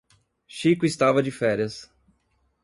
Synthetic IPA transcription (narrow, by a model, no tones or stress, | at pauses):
ʃikʊɪst̪avɐd͡ʒɪfɛɾjɐs